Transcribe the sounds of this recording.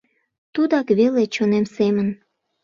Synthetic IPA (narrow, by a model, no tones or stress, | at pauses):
t̪ud̪ɑkβelet͡ɕonemsemən